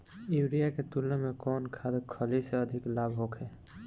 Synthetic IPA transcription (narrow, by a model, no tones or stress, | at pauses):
iwɾijaket̪ulnəmekɔːnkʰad̪kʰəliseəd̪ʱɪklabʱɦokʰɛ